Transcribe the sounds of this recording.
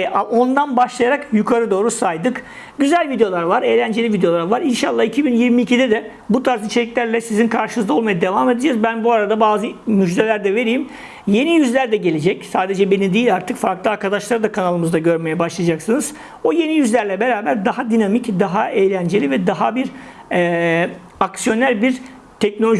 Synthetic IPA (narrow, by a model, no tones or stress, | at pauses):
ao̞nd̪anbaʃlˠajaɾakjukʰaɾɯd̪o̞ːɾusajd̪ɯk | ɟyzælʲvid̪ejo̞lˠaɾvaɾejlʲænd͡ʒeivid̪eo̞lˠaɾvaɾinʃalˠːaːicʰibinjiɾmiːcid̪ɛd̪ɛ | but̪ʰaɾzit͡ʃʰe̞lʲicʲlʲæɾlʲɛsizinkʰaɾʃɯnɯzd̪ao̞lˠmajad̪e̞vaːme̞d̪ed͡ʒazbænbuaɾad̪abaːzɯmyd͡ʒd̪e̞lʲæɾd̪ɛve̞ɾijːm | je̞nijyzlʲæɾd̪ɛɟe̞lʲed͡ʒɛcsaːd̪e̞d͡ʒɛbe̞nid̪ijilʲaɾt̪ʰɯkfaɾklˠɯaɾkʰad̪aʃlˠaɾd̪akʰanalˠɯmɯzd̪aɟø̞ɾme̞jɛbaʃlˠad͡ʒaksɯnɯz̥ | o̞je̞nijyzlʲæɾlʲɛbe̞ɾaːbæɾd̪aɦad̪inamicd̪aɦaejlʲænd͡ʒe̞lʲivɛd̪aɦabiɾ | ɛː | aksijo̞næɾbiɾ | t̪ʰɛc̚nolʲo